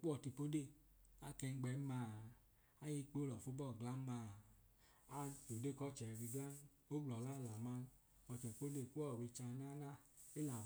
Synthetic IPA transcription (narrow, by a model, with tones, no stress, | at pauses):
k͡pu˦ɔ˨ti˧po˦de˦˨ | a˦kɛ˧ŋ̩˦ɡ͡bɛ˨˦ma˧˦ | a˦ji˧k͡po˦lɔ˨fu˦bɔ˦˨ɡla˦ma˧˨ | a˦tu˨de˦˨kɔ˦t͡ʃɛ˨ɾi˧ɡla˦n | o˦ɡ͡blɔ˨la˦la˨ma˦n | ɔ˧t͡ʃɛ˨k͡po˦de˦˨ku˦ɔ˦˨wi˧t͡ʃa˧˦na˦la˦ | e˦la˨